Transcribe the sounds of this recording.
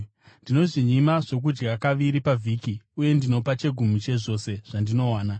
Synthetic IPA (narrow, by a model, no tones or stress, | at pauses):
ndino̞ʐiɲimaʐo̞k̬ud͡ʒɡakaʋiɾipavʱiːkiuje̞ndino̞pat͡ʃe̞ɡʱumut͡ʃe̞ʐo̞ːse̞ʐ̥andino̞waːna